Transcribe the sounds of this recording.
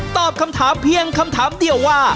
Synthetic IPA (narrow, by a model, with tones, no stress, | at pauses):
t̪ɔː˨˩p̚kʰa˧mt̪ʰaː˩˦mpʰi˧əŋkʰa˧mt̪ʰaː˩˦mdi˧əwːaː˥˩